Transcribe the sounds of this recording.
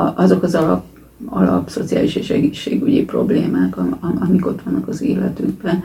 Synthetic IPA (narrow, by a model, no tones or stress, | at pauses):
ʔɒzo̞kɒzɒlɒp | ɒlɒ̰pso̞t̪sija̰ːliʃeːʃɛɡit͡ʃːeːɡyɟipro̞bleːmaːkɒmiko̞t̪ʋɒnːɒkɒzeːlɛt̪yɡ̚bɛ